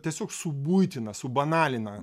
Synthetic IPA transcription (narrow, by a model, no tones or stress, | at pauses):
t̪ʲiɛsʲoːksʊbujt̪ʲɪnɐsʊbɐnɑːlʲɪnɐ